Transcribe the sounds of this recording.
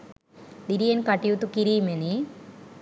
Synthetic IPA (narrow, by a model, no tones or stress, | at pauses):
d̪iɾijenkaʈːijut̪ːukiɾimeni